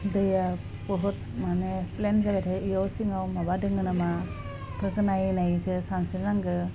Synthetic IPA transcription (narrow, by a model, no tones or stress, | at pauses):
dɯja | bɔɦut̚maneplenzabatʰaijawsiŋawmabadɯŋɯnama | pʰɯkɯnajnajzɯsaŋsɯɾnaŋɡɯ